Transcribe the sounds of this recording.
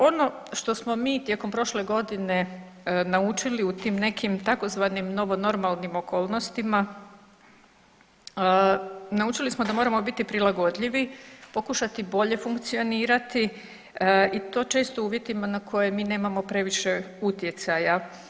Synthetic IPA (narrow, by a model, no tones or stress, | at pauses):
o̞no̞ | ʃt̪o̞smo̞miːt̪je̞ko̞mpɾo̞ʃle̞ɡo̞d̪ine̞ | naut͡ʃiliut̪iːmne̞kʰimt̪ako̞zʋaːnimno̞ʋo̞no̞ɾmalˠnimo̞ko̞ːlˠno̞st̪ima | nauːt͡ʃilismod̪amo̞ːɾamo̞bit̪ipɾilˠaɡo̞d̪ʎiʋipokuʃat̪ibo̞ʎe̞fuŋkt̪sio̞niːɾat̪i | it̪o̞ːt͡ʃe̞ːst̪ouːʋje̞t̪imanakʰo̞jemiːne̞ːmamo̞pɾe̞ʋiʃe̞ut̪je̞t̪saja